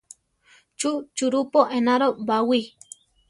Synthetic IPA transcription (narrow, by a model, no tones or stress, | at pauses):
t͡ʃut͡ʃuɾupoʔenaɾobawi